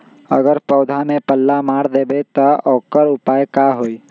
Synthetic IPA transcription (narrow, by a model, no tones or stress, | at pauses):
ə̰ɡəɾpɔːd̪ʱamẽpəlːamaːɽd̪eːbet̪əɔːkəɾʊpaːjkaɦoːi